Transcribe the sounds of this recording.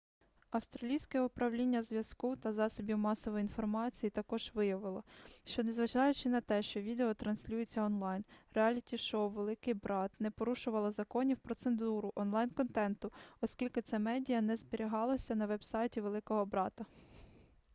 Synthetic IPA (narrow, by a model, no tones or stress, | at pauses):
ɐwst̪ɾɐlʲijsʲkɛʊpɾɐwlʲinʲːɐzʋʲjɐskut̪ɐzɑsɔbʲiwmɑsɔʋɔjinfɔrmɑt͡sʲijit̪ɐkɔʒ̥ʋɪjɐʋɪlˠɔʃt͡ʃɔnezʋɐʒɑjʊt͡ʃɪnɐt̪ɛʃt͡ʃɔʋʲid̪eɔt̪ɾɐnsʲlʲujɪt͡sʲːɐɔnlˠɑjnreɑlʲitʲiʃɔwʋelˠɪkɪjbɾɑt̪nɛpɔɾuʃʊʋɐlˠɐzɐkɔnʲiwpɾɔt̪senzuɾʊʔɔnlˠɑjnkɔnt̪ɛnt̪ʊɔskʲilʲkɪt̪sɛmɛdʲijɐnɛzbeɾʲiɦɑlˠɔsʲɐnɐʋɛbsɑjtʲiʋelˠɪkɔɦɔbɾɑt̪ɐ